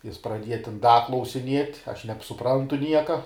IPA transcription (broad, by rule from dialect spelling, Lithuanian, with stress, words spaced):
ˈjɪs prɐˈdʲiɛjɛ tʲɪn ˈdɐ klˠɐʊsʲɪˈnʲiɛtʲ ɐʃ nʲɛpsʊˈprɐntʊ ˈnʲiɛkɐ